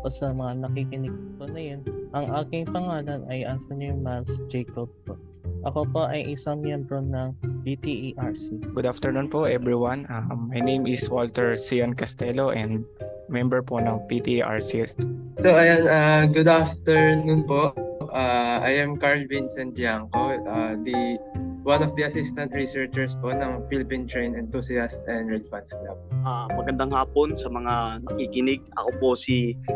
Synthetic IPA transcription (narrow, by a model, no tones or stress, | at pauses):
osɐmɐŋanɐkikɪnɪɡ̪̚ponɐjonʔɐŋʔaːkɪŋpɐŋaːlɐnʔɐjʔɐnt̪onimalsd͡ʒɛjkob̚poʔ | ʔɐkopoʔɐjʔɪsɐŋmjɛmbɾo̞nɐŋpit̪iʔiʔaɹsiɡʊd̪aft̪ɛɹnũnpoʔɛbɹiwanamːajnẽjmɪswolt̪ɛɹsijɐnkɐst̪ɛloʔɛ̃nd̪̚mɛmbɛɹponɐŋpit̪iʔa̰ɹsilt̪soɐjanaɡʊd̪aft̪ɛɹnunpo̞ʔʔʔaʔajɐmkaɹlvɪnsɛnd͡ʒ̪ɪaŋkoʔad̪iwanɔfd̪iɐsist̪ɐnt̪ɹisɛɹt͡ʃɛɹspoʔnɐŋfilɪpĩnt̪ɹejnɛnt̪usɪast̪ɛ̃nd̪ɹɛlvɐ̃nt̪skla̰b̚ʔamɐɡɐnd̪aŋhaːponsɐmɐŋanɐkikɪnɪɡ̚ɐ̰koposi